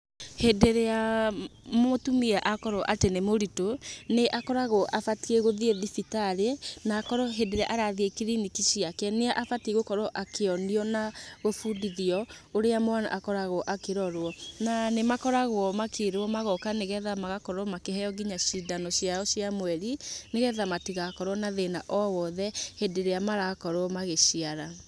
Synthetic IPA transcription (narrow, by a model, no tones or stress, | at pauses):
hedeɾea | motumiɛʔakɔɾɔʔatenemoɾitoneʔakɔɾaɣoʔafatieɣoðieðifitaɾenaːkɔɾɔɦedeɾea̰ʔaɾaðekeɾinikiʃiakɛneaʔafateɣokɔɾɔʔakeɔniɔnaɣofudiðiɔoɾeamoana̰ʔakɔɾaɣɔʔakeɾɔɾwɔnanemakɔɾaɣwɔmakʰeɾɔmaɣɔkaneɣɛðamaɣakɔɾɔmakehɛjɔɡiɲaʃidanɔɕiaɔɕiamwɛɾineɣɛðamatiɣakɔɾwɔnaðenaʔɔwɔðɛhedeɾeamaɾakɔɾwɔmaɣeʃiaɾa